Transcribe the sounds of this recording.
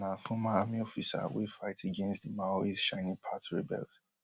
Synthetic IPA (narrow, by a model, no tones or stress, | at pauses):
nafɔ̃maamiɔfisa̰wḛfaɪtʰeɡɛ̃nstdimaɹizʃãɪ̃nĩpʰatɹibɛ̰lt